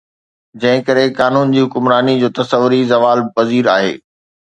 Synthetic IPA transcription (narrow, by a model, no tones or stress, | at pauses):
d͡ʑɐ̃ɦɪ̃kɐɾekaːnuːnd͡ʑiːɦʊkʊmɾaːnid͡ʑoːt̪ɐsəʋʊɾizɐʋaːlpɐziːɾaːɦḛː